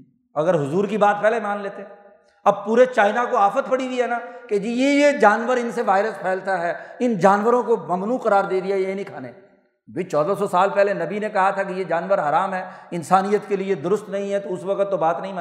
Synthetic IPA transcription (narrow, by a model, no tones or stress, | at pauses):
ɐɡəɾɦʊzuːɾkibaːt̪̚pɛɦlemaːnleːt̪eɛ | ɐb̚puːɾet͡ʃaːɪnakoaːfət̪pɐɽiwiɦɛːnaːked͡ʒijejed͡ʒaːnʋəɾɪnseʋaːɪɾəspʰɛːlt̪aɦɛːɪnd͡ʒaːnʋəɾõkomɐmnuːqɐɾaːɾd̪eːd̪iajeinĩkʰaːne | bʱɪt͡ʃɔːd̪asɔsaːlpɛɦlenɐbinẽkɐɦat̪ʰak̬ijed͡ʒaːnʋəɾɦɐɾaːmɦɛːɪnsaːnijət̪kelied̪ʊɾʊst̪nɐɦĩɦɛt̪oʊsʋɐqət̪ːobaːt̪nɐɦĩma